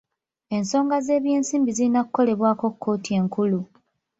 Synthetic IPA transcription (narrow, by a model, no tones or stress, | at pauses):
e̞nso̞ːŋɡaze̞ːβje̞ːnsiːmbizilinakukːo̞le̞βwaːko̞kʰːo̞ːtie̞ːŋkulu